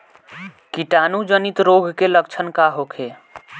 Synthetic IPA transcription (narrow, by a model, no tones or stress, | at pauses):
kiʈanud͡ʒənit̪ɾoɡʱkelək̚t͡ʃʰənkaɦokʰe